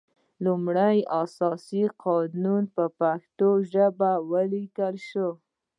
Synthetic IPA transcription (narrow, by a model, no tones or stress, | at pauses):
lumɽəjasɑsiqʰɑnunpəpaxt̪oʒəbawəlikəlʃo